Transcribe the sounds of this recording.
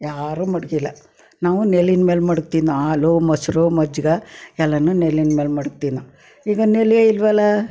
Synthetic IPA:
jaːɾumɐɽɡilːɐ | naːʋunelːinmeːlmɐɽukt̪iːnuaːlumɐsɾumɐd͡ʒɡɐɛlːɐnunelinmeːlmɐɽuk̚t̪inu | iːɡɐneljeilʋɐlːɐ

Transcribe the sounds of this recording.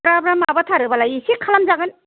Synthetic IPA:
ɾabɾamabatʰaɾɯbalajisikʰːalamzaɡɯn

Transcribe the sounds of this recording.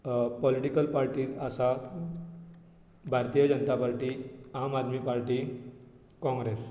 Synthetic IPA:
pɔliʈikəlpaɾʈiːt̪asat̪ | bʱaɾt̪ijəd͡ʑənt̪apaɾʈiamad̪miːpaɾʈi | kɔ̃ŋɡɾes

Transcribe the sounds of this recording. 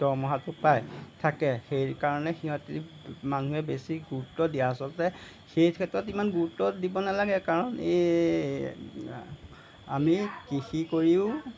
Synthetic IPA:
dɔmɔɦatʊpajtʰakɛxejɹkaɹɔnɛxiɦɔti | manuɦɛbesiɡuɹutːɔdijaːsɔltɛ | xejkʰɛtɹɔtimanɡuɹutːɔdibɔnalaɡɛkaɹɔne | a̰mikixikoɹiʊ̃

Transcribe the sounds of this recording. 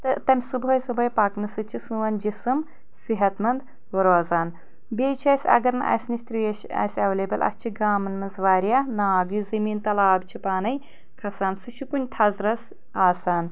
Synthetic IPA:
t̪ɨt̪ɐmʲsɨbɦɐjsɨbɐjpaːknɨsɨt͡ʃʰisũʋɐnd͡ʒisɨm | siɦɐt̪mɐnd̪ | ʋɐɾaːzaːn | bʲeːt͡ʃʰɐjsʲɐ̰ɡɐɾnɨʔɐ̰jsnisʲt̪ɾieʃɐ̰sʲɐʋeːleːbɐlʔɐ̰st͡ʃʰiɡaːmɐnmɐnzʋaːɾjaːnaːɡjuzɐmiːnt̪ɐlaːbt͡ʃʰipaːnɐj | kʰɐsaːnsɨʃʰukunʲt̪ʰɐzɾɐs | aːsaːn

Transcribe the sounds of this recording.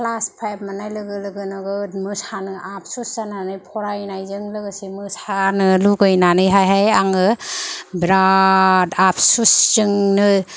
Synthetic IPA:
kʰlaspʰajb̚manajlɯɡɯlɯɡɯnɔɡɯtmɯsanɯʔap̚ʰsuszananɯjpʰɔɾajnajzɯŋlɯɡɯsimɯsanɯluɡɯjnanɯjɦajɦajaŋɯbɾadapʰsuszɯŋnɯ

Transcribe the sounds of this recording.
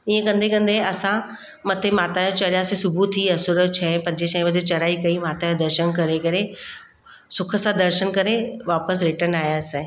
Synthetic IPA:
iːə̃kɐ̃nd̪ekɐ̃nd̪eɐsã | mɐt̪ʰemaːt̪aːjot͡ɕɐɾjãsẽsʊbʱut̪ʰiːɐsʊɾət͡ɕʰɛpɐ̃ɲd͡ʑeʃɐ̃ʋɐd͡ʑet͡ɕɐɾaːikɐimaːt̪ajod̪ɐɾʃənkɐɾekɐɾe | sʊkʰə̆sãd̪ɐɾʃənkɐɾeʋaːpəs̬ɾɪʈəɾnaːjaːsẽ

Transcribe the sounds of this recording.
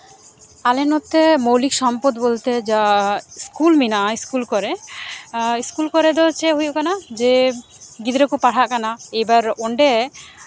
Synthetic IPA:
alenot̪ːemowlikʃɔmpɔd̪bolt̪ed͡ʒaskulminaʔiskulkɔɾe | iskulkɔɾed̪ɔt͡ʃʰeɦujukanad͡ʒe | ɡid̪ɾekupaʈʰaʔkanaejbaɾoɳɖe

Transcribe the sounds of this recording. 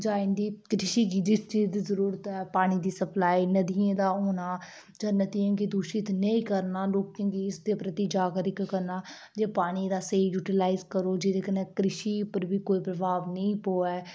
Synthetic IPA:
d͡ʒaːɪ̃nd̪iːkɾɪʃiːɡiːd͡ʒɪst͡ʃiːzd̪izəɾuːɾət̪ɛːpaːɽ̃iːd̪iːsəplaːiːnəd̪iẽːd̪aːoːnaː | d͡ʒənət̪ijãːkid̪uːʃit̪nəĩːkəɾnaːloːkãːɡiːɪsd̪eːpɾət̪iːd͡ʒaːɡɾɪkːəɾnaː | d͡ʒeːpaːɽ̃iːd̪aːseːjuːʈɪlaːɪzkəɾoːd͡ʒɪd̪eːkənẽːkɾɪʃiːpəɾbiːkoːiːpɾəbʱaːʋnəĩːpoːɛː

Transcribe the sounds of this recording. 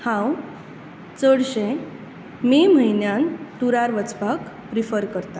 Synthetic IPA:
hãw | t͡səɽɕẽ | mem̤əinjãnt̪uɾaɾʋət͡sbʱak | pɾifəɾkəɾt̪a

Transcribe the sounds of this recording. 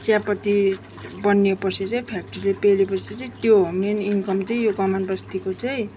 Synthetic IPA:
t͡sjapʌt̪i | bʌnːepʌt͡sʰit͡sʌĩpʰak̚ʈʌrilepelepʌt͡sʰit͡sʌĩt̪jomeninkʌmt͡sʌĩjoɡʌmanbʌst̪ikot͡sʌj̃

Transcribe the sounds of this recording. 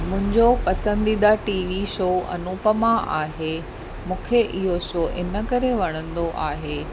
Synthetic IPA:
mʊ̃ɦɪ̃ɲd͡ʑopɐsə̃nd̪id̪aʈiːʋiʃoːɐ̰nuːpəmãʔa̰ːɦe | mũːkʰeʔɪɦoʃoːʔɪnə̆kɐɾeʋɐɽ̃ə̃nd̪oʔaːɦeː

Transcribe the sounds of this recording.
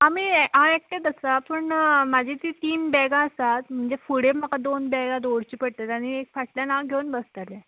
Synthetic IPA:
amiãek̚ʈ̪et̪əsapəɳmad͡ʑʱet̪it̪iːnbɛɡaəsat̪m̤əɳd͡zefuɽeməkad̪onbɛɡad̪oɽt͡ɕiːpəɽt̪at̪aɽ̃iek̚faʈljanaɡʱeunbəst̪alẽ

